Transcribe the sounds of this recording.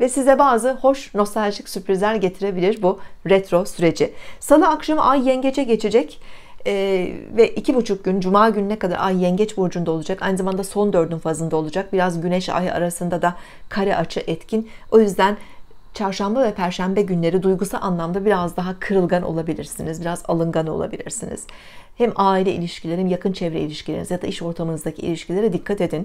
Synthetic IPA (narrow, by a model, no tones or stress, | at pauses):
vɛsizd̪ɛbaːzɯho̞ʃno̞st̪ʰalʲʒicsypɾizlʲæɾɟe̞t̪ʰiɾe̞bilʲiɾbuɾɛt̪ɾo̞syɾe̞d͡ʒɪsalˠɯakʃamɯʔajːɛɲɟet͡ʃʰɛɟe̞t͡ʃʰed͡ʒɛcː | vɛʔicʰibut͡ʃʰuk̚ɟynd͡ʒumaːɟynnɛkad̪a̰ɾʔajːɛɲɟɛt͡ʃbuɾd͡ʒund̪ao̞lˠud͡ʒaka̰jnɯzamand̪aso̞nd̪ø̞ɾd̪ynfazɯnd̪ao̞lˠud͡ʒak̚biɾazɟynɛʃa̰ja̰ɾasɯnd̪ad̪a | kʰaɾɛʔat͡ʃʰɯʔɛt̪cʰin | o̞jyzd̪æn | t͡ʃʰaɾʃambavɛpʰæɾʃæmbɛɟynlʲe̞ɾid̪ujɡusalˠanlˠamd̪abiɾazd̪aɦakʰɯɾɯlˠɡano̰lˠabilʲiɾsinizbiɾaza̰lˠɯŋɡano̞̰lˠa̰bilʲḭɾsinḭz̥ | hɛmaːilʲɛḭlʲiʃcilʲe̞ɾimjakʰɯnt͡ʃʰɛvɾɛ̰ilʲiʃcʰilʲeɾiizjad̪aiʃo̞ɾt̪ʰamɯnɯzd̪acʰiḭlʲiʃcilʲe̞ɾid̪ikʰːat̪e̞d̪in